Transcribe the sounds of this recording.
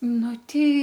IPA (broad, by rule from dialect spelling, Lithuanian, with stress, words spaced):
ˈnʊ ˈtʲɛɪ